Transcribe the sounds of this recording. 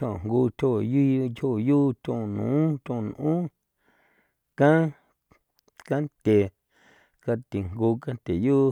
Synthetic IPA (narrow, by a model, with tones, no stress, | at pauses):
õ˧˨ŋɡuː˧t̪ʲo˧˨ji˦kho˦˧˨juː˦t̪ʲõ˧˨nṵ̃ː˨˦t̪ʲõ˧˨nʔũː˦ | kã˦ | ka˦nt̪ʲe˨ | ka˧t̪i˨ŋɡuː˧ka˦nt̪ʲe˨juː˦